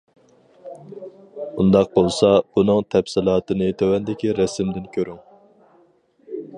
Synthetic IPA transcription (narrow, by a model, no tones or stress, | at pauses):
und̪ɑq̚bolˠsɑb̥unɨŋt̪ʰɛpsɪlˠɑːt̪ɨnɨt̪ʰøwɛnd̪ɪkʲiɾɛsɪmd̪ɪnkʲʰøɾyŋ